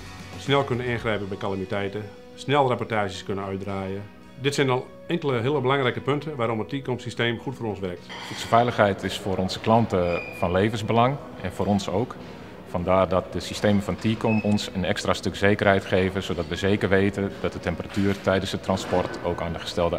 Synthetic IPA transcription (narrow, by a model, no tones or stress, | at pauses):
snɛlˠkønənɪnxrɛjpəbɛjkalamitɛjtə | snɛlˠrepɔtaːʒəskønənœɥt̚draːjə | dɪtsɛjnɔlˠ | ɪŋkəlˠəɦɪəlˠəbəlaŋrɛjkəpɵntʰəʋaːɾɔmətiːkomsisteːmxutfoːrɔnsʋɛrk̚tutsəfɛjləxɦɛjtʰɪsfʊːɾɔnzəklɑntəfɑnlejvənzbəlɑŋ | ɛnfoːɾɔnsowk | fɑndaːrdɔt̚dəsisteːməfɑntʰiːkomɔnsənɛkstrastøkz̥eːkərɦɛjtxeːvəsoːdɔtʋəzeːkərʋejtəndɔt̚dətɛmpəratyːrtɛjdənsdətrɑnspɔrtowkaːndəχə̥stɛlˠdə